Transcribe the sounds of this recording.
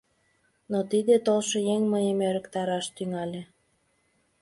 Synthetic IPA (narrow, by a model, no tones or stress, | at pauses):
not̪id̪et̪olʃojeŋməjəmeɾəkt̪ɑɾɑʃt̪yŋɑlʲe